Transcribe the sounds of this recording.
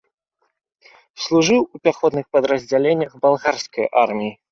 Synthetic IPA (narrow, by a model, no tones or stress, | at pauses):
slˠuʐɨwupʲaxɔd̪nɨxpɐd̪ɾɐzʲd͡zʲalʲenʲːɐɣbalˠɣarskɐjʔarmʲiji